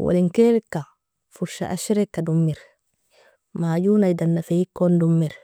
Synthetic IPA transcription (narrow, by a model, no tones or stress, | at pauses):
wʔa̰liŋkeɾikːa | fuɾʃa̰ʔa̰ʃiɾekːadumːiɾ | maːjunajdanːafeikːondumːiɾ